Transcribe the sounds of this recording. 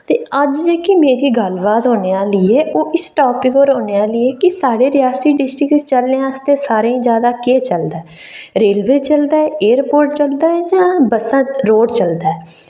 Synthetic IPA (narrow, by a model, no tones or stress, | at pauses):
t̪eːəd͡ʒd͡ʒeːkimeːɾiːɡəlbaːt̪ɦoːneːaːlɪeːʔoːʔɪsʈɔːpɪkoːɾoːneːaːlɪeːkɪsaːɽeːɾɪjaːsiːɖɪsʈɾɪkst͡ʃəlneaːst̪eːsaːɾeːĩːd͡ʒjaːd̪aːkeːt͡ʃəld̪aːɛ | ɾeːlʋeːt͡ʃəld̪aːɛːeːəɾpoːɾʈt͡ʃəld̪aːɛːd͡ʒãːbəsə̃ɾoːɖt͡ʃəld̪aːɛː